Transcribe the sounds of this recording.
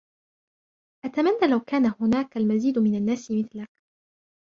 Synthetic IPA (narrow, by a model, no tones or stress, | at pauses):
ʔat̪amanːaːlawkaːnahʊnaːkalmaziːd̪mɪnanːaːsɪmɪθlak̚